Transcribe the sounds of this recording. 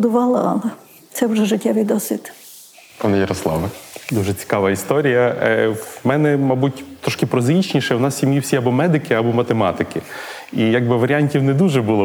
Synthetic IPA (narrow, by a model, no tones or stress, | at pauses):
d̪ʊʋɑlˠɐɑ̰lˠɐ | t̪sɛwʒɛʒɪtʲːɛʋɪjd̪ɔsʲʋʲit̪ | pɑnɛjɐɾɔslˠɑ̰ʋɐd̪uʒɛt͡sʲi̥kɑʋɐist̪ɔɾʲijɐ | mɛnɛmɑbutʲt̪ɾɔʃkɪpɾɔzit͡ʃnʲiʃɛwnɑssʲimjiwsʲiɐbɔmɛd̪ɪkɪɐbɔmɐt̪emɑt̪ɪkɪ | ijaɡ̚bɪʋɐɾʲianʲtʲiwned̪uʒɛbulˠɔ